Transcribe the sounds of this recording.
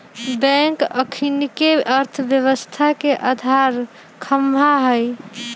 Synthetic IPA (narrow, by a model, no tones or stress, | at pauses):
bɛ̃ŋkəkʰinkeəɾt̪ʰəbjəβəst̪ʰakeʔad̪ʱaɾ | kʰəmaɦəj